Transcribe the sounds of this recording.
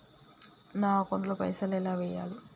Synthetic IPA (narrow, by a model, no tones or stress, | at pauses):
naːkond̪lopɐ̰jsɐlɛlaːʋɛja̰ːli